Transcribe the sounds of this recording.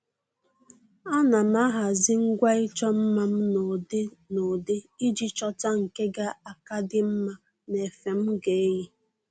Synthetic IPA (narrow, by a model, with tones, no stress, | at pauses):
a˦na˨m̩˦a˦ɦa˨zɪ˦ŋ̩˦ɡʷa˦ɪ˦t͡ʃɔ˦m̩˦ma˦m̩˦˨dno˨dɪ˦i˦d͡ʒi˦t͡ʃɔ˦ta˦ŋ̩˨ke˦ɡa˦a˨ka˦dɪ˦m̩˦ma˦ | ne˨fe˨m̩˦ɡe˨˦ji˦